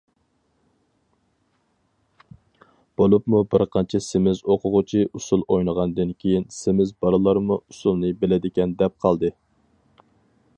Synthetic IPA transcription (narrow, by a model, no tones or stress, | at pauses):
b̥olˠupmubɪɾqʰɑnt͡ʃʰɛsɪmɪzoqʰʊʁʊt͡ʃʰiʔusulˠojnəʁɑnd̪ɨnkʲʰejinsɪmɪzbɑɾɨlˠɑɾmuusulˠnɨbɪlɪd̪ɪkʲɛnd̪ɛp̚qʰɑlˠd̪ɨ